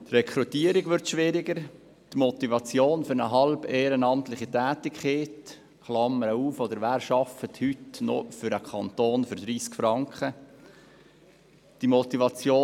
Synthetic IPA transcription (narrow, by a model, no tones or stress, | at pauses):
t̪rɛkʰɾut̪iːəɾiɡʋʏɾt̪ʃʋɪɾɪɡəɾ | tmɔt̪ivɑt͡sjoːnfʏɾnə̰ɦɑlbeːɾənɑmt̪lɪχitæːtɪkχeːt | χlɑmːəɾəuːfod̪əɾʋæːɾʃɑfət̪hytnɔ̰fʏɾəkʰɑntoːnfʏɾd̪ɾiːskfɾɑŋkχə | d̥imɔt̪ivɑt͡sjoː